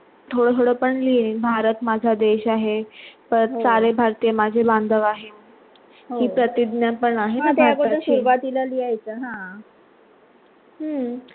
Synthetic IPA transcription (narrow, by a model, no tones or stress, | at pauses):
t̪ʰoɽət̪ʰoɽəpəɳliːnbʱaɾət̪mad͡zʱad̪eɕaɦepəɾɾsaɾebʱaɾt̪ijəmad͡ʑʱeband̪ʱəʋaɦem | ɦoɦiːpɾət̪id̪njapəɳaɦeaaɾkoəɾɕuɾʋat̪ilaliajt͡səɦã | ɦə